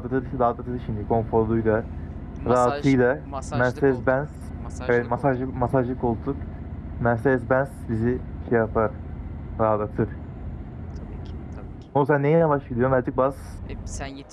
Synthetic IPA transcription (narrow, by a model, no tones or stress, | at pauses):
d̪ɯt̪ɯɾdaːd̪at̪ʰɯɾʃimd̪ikʰo̞nfo̞ɾlˠujd̪a | ɾaɦat̪ʰɯjd̪amænsɛzbænz̥ | ɛvɛt̪masaʒɯmasaʒlɯko̞lˠt̪ʰuk | mænsɛzbænsbiziʃejapʰaɾɾaɦad̪at̪ʰɯɾ | onuzanːejɛjavaʃvelʲˠijomæɾd̪ɯk̚baz̥